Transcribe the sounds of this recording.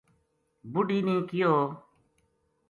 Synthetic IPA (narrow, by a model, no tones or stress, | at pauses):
bʊɖiːnĩːkɪjoː